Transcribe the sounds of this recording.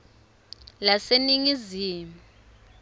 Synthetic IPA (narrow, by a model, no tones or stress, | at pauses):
laseniŋiziːmu